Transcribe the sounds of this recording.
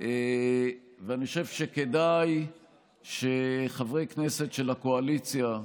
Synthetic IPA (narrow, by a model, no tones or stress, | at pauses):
ʔe | veaniχoʃev̥ʃeke̞daj | ʃeχavʁejkne̞se̞tʃelakoalit͡sja